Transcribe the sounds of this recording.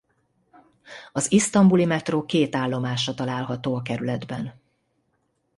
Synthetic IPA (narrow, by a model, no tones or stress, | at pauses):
ɒzist̪ɒmbulimɛt̪roːkeːt̪aːlːo̞maːʃɒt̪ɒlaːlɦɒt̪oːɒkɛɾylɛd̪bɛn